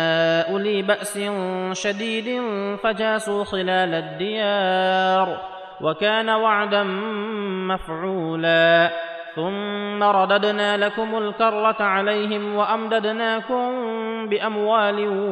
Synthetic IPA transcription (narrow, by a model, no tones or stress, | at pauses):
aʔʊliːbaʔsɪnʃad̪iːd̪ɪfad͡ʒaːsuːxɪlaːlad̪ːɪjaːɾ | wʔakaːnawaʕd̪an | mafʕuːlaː | θʊmːaɾˤɑd̪ad̪naːlakʊmʊlkɑɾˤːatʕalajɦɪmwaʔamd̪ad̪naːkʊmbɪʔamwaːlɪ